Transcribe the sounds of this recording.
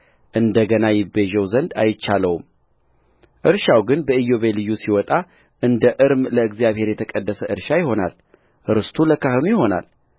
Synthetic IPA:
ʔɨnd̪əɡənajɪbːeʒɛwzənd̪ajɪt͡ʃːaləwum | ʔɨɾʃawɡɨnbəɨjːo̞βelɨjːusiwɔt̪ʼa | ʔɨnd̪əʔɨɾmləɨɡzijaβhe̞ɾjɛt̪ʰəkʼəd̪ːəsəʔɨɾʃajɪho̞na̰l | ʔɨɾɨst̪ʰuləkʰahɨnujɪho̞na̰l

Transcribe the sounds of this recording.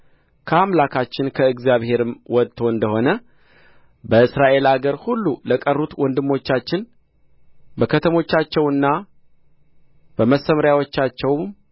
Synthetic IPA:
kʰəamlakʰat͡ʃːɪnkʰəɨɡzjaβhe̞ɾɨmwɔt̪ʰo̞ɨnd̪əho̞nə | bəɨsɾaʔe̞laɡəɾhulːuləkʼərːut̪wɔnd̪ɨmːo̞t͡ʃːat͡ʃːɪn | bəkʰət̪ʰəmo̞t͡ʃːat͡ʃːɛwɨnːa | b̥əməsəmɾjawot͡ʃːat͡ʃːɛwm

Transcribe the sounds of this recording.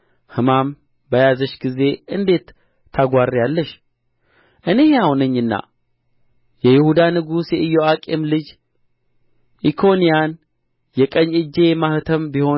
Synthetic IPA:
hɨmam | bəjazəʃɡize̞ʔɨnd̪e̞t̪ʰː | aɡʷarːijalːəʃ | ʔɨne̞heahunɨɲːɨnːa̰ | jɛjɪhud̪anɨɡusjɛʔɨjːoakʼemlɨd͡ʒ | ʔikʰo̞nijan | jɛkʼəɲːɨd͡ʒːe̞maht̪ʰəmbiho̞

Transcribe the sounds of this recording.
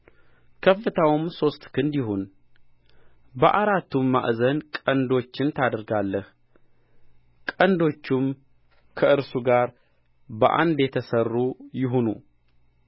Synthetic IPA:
kʰəfːɨt̪ʰawɨmso̞st̪kʰɨnd̪jɪɦun | bəʔaɾat̪ːumːa̰ʔzənkʼənd̪o̞t͡ʃːɪnt̪ʰad̪əɾɡalːəh | kʼənd̪o̞t͡ʃːɪm | kʰəɨɾsuɡaɾ | bəʔa̰nd̪jɛt̪ʰəsərːujɪɦunṵ

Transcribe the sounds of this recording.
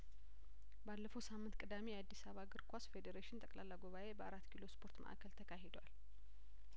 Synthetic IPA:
balːəfowsamːɨnt̪kʼɨd̪amejɛad̪ːisaβaɡɨɾkʰʷasfe̞d̪eɾeʃɪnt̪ʼəkʼlalːaɡoβaʔe̞bəaɾat̪ːkʰilo̞spʰo̞ɾt̪mə̰ʔa̰kʰəlt̪ʰəkʰaɦed̪wal

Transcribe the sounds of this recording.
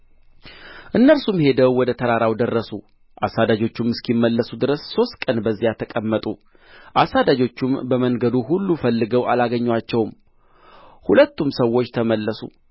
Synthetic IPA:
ʔɨnːəlsumhe̞d̪əwwɔd̪ət̪ʰəɾaɾawd̪ərːəsu | ʔa̰sad̪ad͡ʒo̞t͡ʃːumɨskimːəlːəsud̪ɨɾəsːo̞st̪̚kʼənbəzːijat̪ʰəkʼəmːət̪ʼu | ʔasːad̪ad͡ʒo̞t͡ʃːumbəməŋɡəd̪uɦulːufəlːɨɡəwalaɡəɲːwat͡ʃːɛwm | hulət̪ːumsəwːo̞t͡ʃːt̪ʰəməlːəsṵ

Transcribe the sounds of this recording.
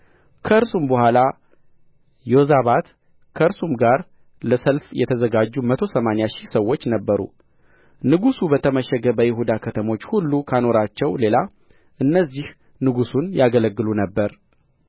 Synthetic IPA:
kʰəɨɾsumbəhʷala | jozaβat̪ | kʰəɨɾsumɡaɾ | ləsəlfjɛ̰t̪ʰəzəɡad͡ʒːumət̪ʰosəmanejaʃisəwːo̞t͡ʃːnəbːəɾṵ | nɨɡusubət̪ʰəməʃɛɡəbəjɪɦud̪akʰət̪ʰəmo̞t͡ʃːhulːukʰano̞ɾat͡ʃːɛwle̞la | ʔɨnːəzːih | nɨɡusunjaɡələɡːɨlunəbːəɾ

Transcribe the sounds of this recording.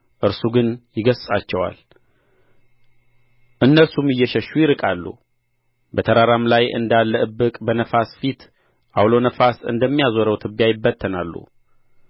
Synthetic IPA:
ʔɨɾsuɡɨnjɪɡəssʼat͡ʃːɛwa̰l | ʔɨnːəsumɨjːɛʃəʃːujɪɾɨkʼalːṵ | bət̪ʰəɾaɾamlajʔɨ̰nd̪alːəɨbːɨkʼbənəfasfit̪ | ʔawlo̞nəfasɨ̰nd̪əmːijazoɾəwt̪ʰɨbːijajɪbːət̪ʰːənalːṵ

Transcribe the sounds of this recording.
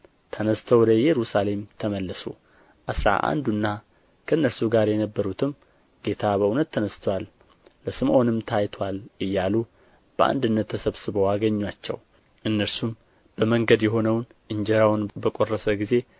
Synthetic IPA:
t̪ʰənəst̪ʰəwd̪əjɛɾusale̞mt̪ʰəməlːəsṵ | ʔasɾa̰ʔa̰nd̪unːa | kʰəɨnːəɾsuɡaɾjɛnəbːəɾut̪ʰɨm | ɡe̞t̪ʰabəunət̪ʰːənəst̪ʰwalː | əsɨmʔo̞nɨmt̪ʰajt̪ʰwalʔɨjːalu | b̥əʔa̰nd̪ɨnːət̪ʰːəsəβsɨβəwaɡəɲːwat͡ʃːɛ̰w | ʔɨnːəɾsum | b̥əməŋɡəd̪jɛɦo̞nəwnʔɨɲd͡ʒɛɾawnbəkʼo̞rːəsəɡize̞

